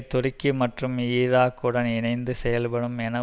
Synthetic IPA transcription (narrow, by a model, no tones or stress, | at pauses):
t̪ːɔrɪkːɯmɐʈrɯmiːðaːkːɯɽɐnɪnɐɪnd̪ɯsɛjɐlpɐɽɯmɛnɐ